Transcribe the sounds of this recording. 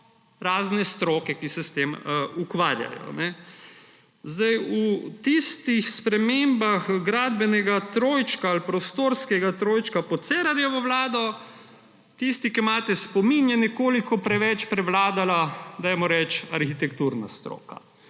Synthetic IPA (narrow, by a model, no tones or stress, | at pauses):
ɾaːznɛst̪ɾoːkɛkisɛst̪emukʋaːɾja̰jɔ̰nɛ | zd̪ajut̪ist̪ixspɾɛmembaxɡɾaːd̪bɛnɛɡat̪ɾoːjt͡ʃkaːlpɾɔst̪oːɾskɛɡat̪ɾoːjt͡ʃkapɔt̪sɛːɾaɾjɛʋɔʋlaːd̪ɔ | t̪ist̪ikimaːt̪ɛspɔminjɛnɛkoːlikɔpɾɛʋɛt͡ʃpɾɛʋlaːd̪alad̪ajmɔɾɛt͡ʃaɾxit̪ɛkt̪uɾna̰st̪ɾo̰ːka̰